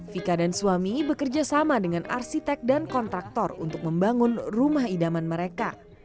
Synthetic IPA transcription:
fikadansuamibəkərd͡ʒasamadəŋanʔa̰rsit̪ɛk̚dankɔnt̪ɾak̚t̪ɔrṵnt̪ʊk̚məmbaŋʊnrumahidamanməɾeka

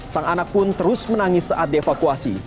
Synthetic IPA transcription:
saŋanak̚pʊnt̪əɾʊsmənaŋɪsːəʔat̪̚diefakuasḭ

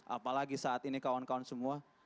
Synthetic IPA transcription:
ʔa̰palaɡisaat̪inikawankaɔnsəmua

